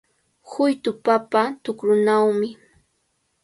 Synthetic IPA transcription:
hʊjt̪ʊpapat̪ʊkɾʊnawmɪ

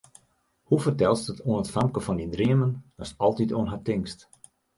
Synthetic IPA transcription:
hufərtɛlˠstətʰoənətfamkəfɔndindriəməndɔsɔlˠtitoənɦatɪŋst

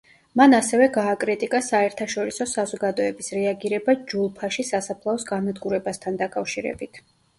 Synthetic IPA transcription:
manasɛvɛɡaːkʼɾit̪ʼikʼasaɛɾt̪ʰaʃɔɾisɔsazɔɡad̪ɔɛbisɾɛaɡiɾɛbad͡ʒulˠpʰaʃisasapʰlˠaɔsɡamad̪ɡuɾɛbast̪ʰand̪akʼafʃiɾɛ̰bit̪ʰ

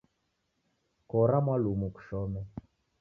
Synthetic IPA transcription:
kɔɾamwalumuku̥ʃɔmɛ

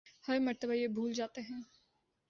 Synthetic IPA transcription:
hɐɾmɐɾt̪əbajebʱuːld͡ʒaːt̪eɦɛ̃ː

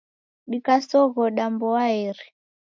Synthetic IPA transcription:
ɗikasɔɣɔɗambɔaiɾi

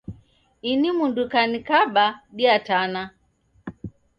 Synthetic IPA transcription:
inimundukanikaɓaɗiatana

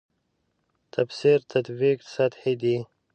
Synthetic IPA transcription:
t̪ʰabsiɾt̪ʰat̪biksat̪hid̪i

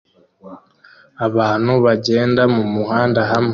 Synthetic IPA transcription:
aβaːn̥huβaɟe̞ːndamumuhaːndaɦam

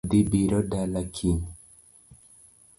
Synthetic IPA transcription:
dibiɾɔdalakʰin

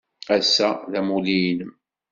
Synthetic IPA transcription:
æsːæðæmulijinəm

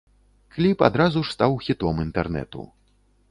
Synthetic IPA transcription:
klʲipa̰d̪ɾazuʂst̪awxʲit̪ɔmint̪ɛrnɛ̰t̪ṵ

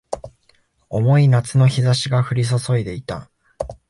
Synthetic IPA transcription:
o̞mo̞inat͡sɨno̞çizaɕiɡaɸɯ̟ɾʲis̬o̞so̞id̪e̞it̪a

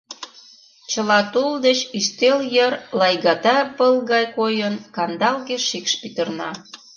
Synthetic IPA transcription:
t͡ɕə̆lɑt̪uld̪et͡ɕiʃt̪eljərlɑjɣɑt̪ɑpəlɣɑjkojənkɑnd̪ɑlɣeʃikʃpit̪ərnɑ̰

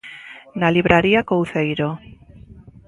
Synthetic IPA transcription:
naliβɾʔaɾiakowθejɾo

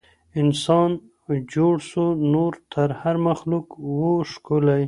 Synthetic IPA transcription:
ɪnsɑn | d͡ʒoɽsunoɾt̪ʰəɾhaɾmaxlukwoʃkulaj

